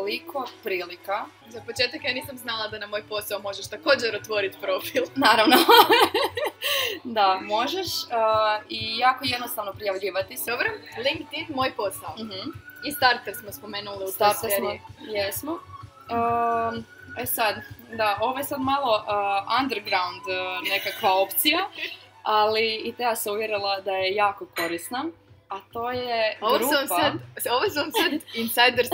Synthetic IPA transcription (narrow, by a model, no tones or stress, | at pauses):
t̪oliko̞pɾiːlika | zapot͡ʃeːt̪akjaːniːsamznalˠad̪anamo̞jpo̞saomo̞ʒeʃt̪ako̞ːd͡ʑeɾot̪ʋo̞ɾit̪pɾo̞filˠnaːɾaʋno | d̪amo̞ʒeʃəijaːkojed̪nost̪aʋnopɾijaʋʎiːʋat̪isobɾomliŋkt̪inmo̞jpo̞saoist̪aɾt̪eɾsmospo̞meːnuliust̪aɾt̪eɾijesmo | ə | esad̪d̪ao̞ʋojesad̪malˠo̞ʔand̪eɾɡɾaund̪ne̞kakʋao̞pt̪sija | aliːt̪easauʋjeɾilˠad̪aje̞jaːko̞ko̞ɾisna | at̪oːjeooɾumspaat̪oʋosuomsad̪insajd̪eɾ